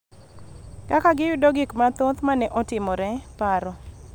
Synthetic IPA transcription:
kakaɡɪjʊdoɡɪkmat̪ot̪manɛʔɔtɪmɔɾɛpaɾɔ

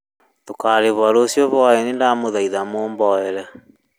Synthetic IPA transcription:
tokaɾeβwaɾosjɔβwaɛnendamoðaiðamoːmbɔɛɾɛ

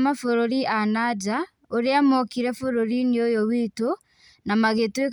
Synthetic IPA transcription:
mafoɾoɾiʔanad͡ʒa | oɾeamokiɾɛfoɾoɾiniojowito | namaɣetue

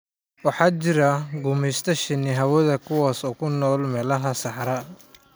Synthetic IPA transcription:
wɑħɑːt͡ʃɪɾɐɡʊmɛjst̪ʰɐʃɪnɪɦɐwɐðɐkʰʊwaːsɔːkʰʊnɔːlmɛːlɐɦɐsɑħɾɐ

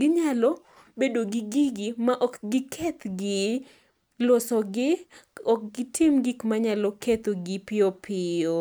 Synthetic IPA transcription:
ɡɪɲalɔ | bedoɡɪɡiɡɪmaʔɔkɡɪkʰet̪ɡɪ | lɔsɔɡɪɔk̚ɡɪtʰɪmɡikmaɲalɔket̪oɡɪpɪopʰɪo

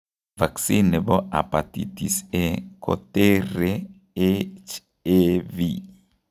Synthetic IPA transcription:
vaksinebɔʔa̰pat̪ḭt̪isekʰo̰t̪eɾe | et͡ʃ | evi

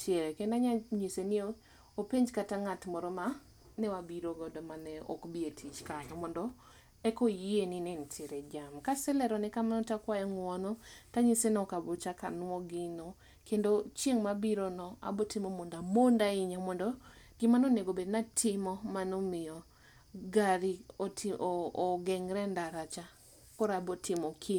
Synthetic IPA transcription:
tʰjeɾɛkɛndaɲaɲisenio | opeɲd͡ʒkataŋatmɔɾɔma | nɛwabiɾoɡɔdɔmanɛɔ̰kbietʰit͡ʃkalɔmɔndɔ | ɛkojeninɛntʰɪɾɛd͡ʒamkasɛlɛɾɔnɛkamanɔtakwajɛŋwɔnɔtaɲisenɔkabɔt͡ʃaka̰nwɔɡɪnɔ | kendot͡ʃjeŋmabiɾonɔa̰botɪmomondamondaɪɲamɔndɔ | ɡ̥ɪmanoneɡobednatʰɪmɔmanomɪjɔ | ɡaɾitː | ɡɛŋɾɛndaɾat͡ʃa | kɔɾabɔtʰɪmɔkʰi

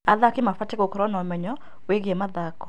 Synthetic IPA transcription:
aðakɪmafatekokɔɾɔnɔmɛɲɔ | weɡemaðakɔ̥

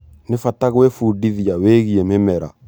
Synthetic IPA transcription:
nefataɣwefudiðiaweːɣiememɛɾa̰

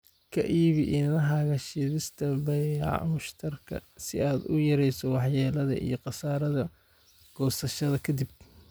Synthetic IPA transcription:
kʰɐ̰ʔiːβɪʔɪnnɐɦaːɣɐʃiːðɪst̪ʰɐbɐjʕ̰mʊʃt̪ʰɐrkʰɐ̰sɪaːd̪ʊjɐɾɛjsɔwɑħjaːlɐðɐ̰ʔḭjɞqɑsaːɾɐðɐ | ɡ̥ɔːsɐʃɐðɐkʰɐd̪ib̚

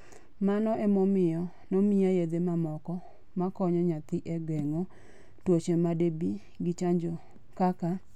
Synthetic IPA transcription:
manɔʔɛmɔmɪjɔ | nomiajed̪emamɔkɔ | makɔɲɔɲat̪ɪʔɛɡɛŋo | twot͡ʃemadebi | ɡɪt͡ʃaɲd͡ʒo | kaka

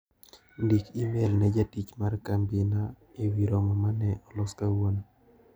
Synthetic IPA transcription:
ndikimelnɛd͡ʒatit͡ʃmarkambina | ewiɾomɔmanɛʔɔlʊskawon

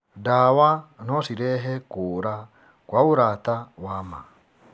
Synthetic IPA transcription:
dawanɔsiɾɛɦɛkoɾa | kwauɾat̪awama̰

